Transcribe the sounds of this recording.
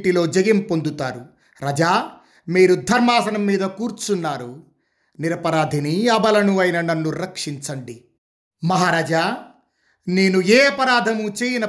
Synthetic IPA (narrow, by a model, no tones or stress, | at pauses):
ʈilo̞ːd͡ʒɐɡimpo̞nd̪ut̪aːɾu | ɾɐd͡ʒaː | miːɾud̪ʱɐɾmaːsɐnɐmːiːd̪ɐkuːɾt͡ʃunːaːɾu | niɾɐpɐɾaːd̪ʱiniɐbɐlɐnuɐjnɐnɐnːuɾɐkʂiɲt͡ʃɐɳɖi | mɐɦaːɾaːd͡ʒaː | neːnueːɐpɐɾaːd̪ʱɐmut͡ʃeːjinɐ